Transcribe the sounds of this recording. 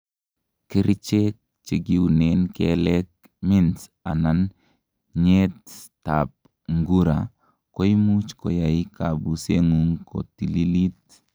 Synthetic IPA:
kiɾit͡ʃek̚ | t͡ʃiɡiunenkelɛk̚ | minsanan | ɲettap̚ | ŋɡuɾa̰ | koimut͡ʃkɔ̰jaikabuseŋuŋko̰tililit̚

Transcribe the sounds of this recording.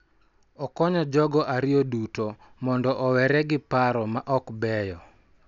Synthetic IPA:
ɔkɔɲɔd͡ʒɔɡɔʔaɾɪoduto | mɔndɔʔɔwɛɾɛɡɪpaɾɔmaʔɔkbɛjɔ

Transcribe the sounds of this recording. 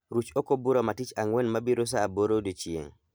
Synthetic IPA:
ɾut͡ʃokobuɾomatit͡ʃaŋwenmabiɾos̬aːboɾodot͡ʃiḛŋ

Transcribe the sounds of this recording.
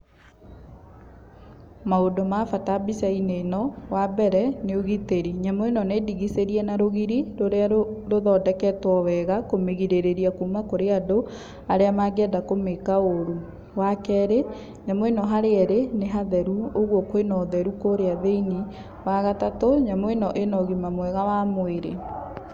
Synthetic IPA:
maodomafatabisainenɔwabɛɾɛneoɣiteɾiɲamoenɔneːdiɣiseɾiɛnaɾoɣiɾiɾoɾeaɾoðɔːdɛkɛtwɔwɛɣakomeɣiɾeɾeɾiakumakoɾeado | aɾeamaɡɛdakomekaoɾu | wakɛɾe | ɲamɔenɔɦaɾeɛɾeneɦaðɛɾuoɣwɔkoenɔðɛɾukoɾeaðeini | waɣatatoɲamɔenɔʔenɔɣimamwɛɣawamweɾḛ

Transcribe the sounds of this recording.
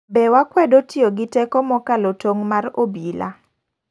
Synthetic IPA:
bɛwakwɛdotioɡɪtɛkɔmɔkalotoŋmarobila̰

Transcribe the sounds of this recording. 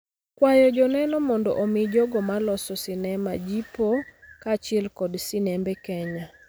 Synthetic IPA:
kwajɔd͡ʒɔnɛnɔmɔndɔ̰ʔomɪd͡ʒɔɡɔmalɔsɔsɪnɛma̰d͡ʒipokat͡ʃɪlkɔdsɪnɛmbɛkɛɲa

